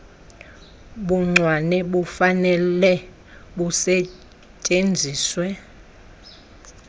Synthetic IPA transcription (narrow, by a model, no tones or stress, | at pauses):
ɓuŋ͡ǀʱwanɛɓufanɛlɛ | ɓusɛ | t͡ʃʼend͡zʱiːswɛ